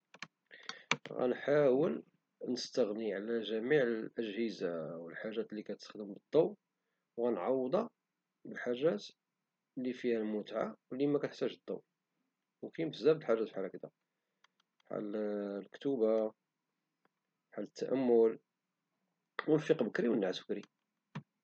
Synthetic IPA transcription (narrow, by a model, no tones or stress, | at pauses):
ɣæ̰nħawəl | nəst̪əɣniʕalæʒæmiʕəʔəʒhəzawəlħaʒːæt̪lːikæt̪əst̪ə̥xd̪əmbəd̪ˤːɑw | wɣænʕɑwːd̪ˤɑ | bəlħaʒːæt̪ | lːifihælmʊt̪ʕa̰wlimækæt̪əħt̪æʒd̪ˤːɑ̰w | wkæjmt̪zæbt̪lħaʒːæt̪fħalækəd̪æ | ħa̰llkt̪uba | ħalːət̪ːæ̰ʔæmːʊl | wənfiqbəkɾiwənəlʕat̪b̥əkɾi